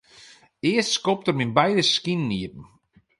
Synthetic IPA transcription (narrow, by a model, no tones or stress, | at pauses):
ɪəstskɔp̚tərminbɛjdəskinniətn̩